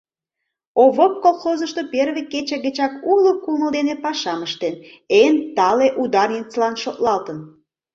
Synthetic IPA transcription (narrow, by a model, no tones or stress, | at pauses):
oβop̚kolˠχozəʃt̪operβeket͡ɕeɣət͡ɕɑkulokuməld̪enepɑʃɑməʃt̪enent̪ɑleʔud̪ɑrnʲit͡slɑnʃot̪lɑlt̪ən